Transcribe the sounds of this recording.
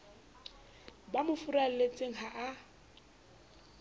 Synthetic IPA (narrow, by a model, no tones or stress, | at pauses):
bamʊfurallet͡sʼeŋ̩ɦaʔa